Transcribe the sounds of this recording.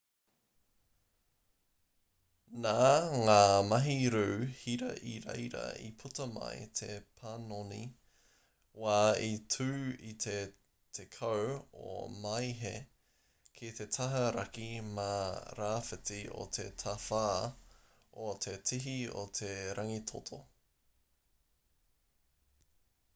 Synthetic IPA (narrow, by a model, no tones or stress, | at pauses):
naːŋaːmɐɦiɾʉːhiɾɐ̰ʔiɾḛjɾɐ̰ḭpʰutɐmɐ̰jt̪ʰepʰanoni | waːitʰʉːit̪ʰe | tʰekʰɐwo̰mɐjɦe | kʰit̪etʰɐɦɐɾɐkimaɾaːfɪtio̰t̪ʰḛtʰɐfaː | ot̪ʰetʰiɦiot̪ʰeɾʔɐŋit̪ʰotʰo